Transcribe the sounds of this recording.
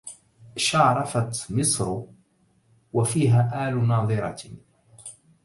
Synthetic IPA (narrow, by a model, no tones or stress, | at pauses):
ʃɑʕɾˤɑfat̪mɪsˤɾ | wafiːɦaːʔaːlnɑːðˤɨɾˤɑ̰